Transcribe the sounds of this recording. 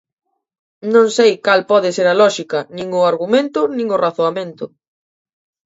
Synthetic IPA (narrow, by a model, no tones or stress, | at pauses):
nõŋsejkalpɔðɪseɾalɔʃikɐnĩŋʊaɾɣumẽnt̪ʊnĩŋʊraθoamẽnt̪ʊ